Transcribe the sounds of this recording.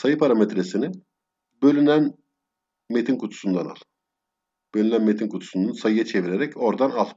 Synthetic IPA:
sajɯpʰaɾamet̪ɾesini | bø̞lʲynæn | met̪ʰinkʰut̪ʰu̥sund̪ana̰lˠɯ | b̥ølʲynænmet̪ʰinkʰut̪ʰu̥sund̪ansajɯjat͡ʃʰe̞viɾeɾɛco̞ɾd̪analˠ

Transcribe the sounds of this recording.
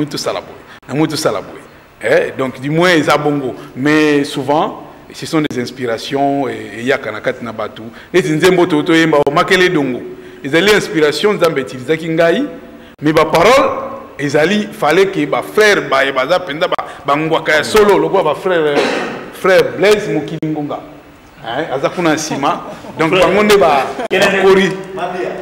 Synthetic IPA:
uitosala̰bo̰jenamuit̬osala̰bo̰je | ɛdɔ̃kdymwɛ̃ezaboŋɡomɛsuvɑ̃ | sesɔ̃dezɛ̃spiʁasjɔ̃ɛejakanakatinabato | netinzembotootojembaomakeledoŋɡo | ezaliɛ̃spiʁasjɔ̃nzambetilizakiŋɡai | mɛbapaʁɔl | ezalifalekebafʁɛʁbajebazapɛnzababaŋɡwakajasololokolabafʁɛʁfʁɛʁblɛzmokiliŋɡoŋɡa | ɛazakunaasimadɔ̃ŋkbaŋɡondebaakoɾi

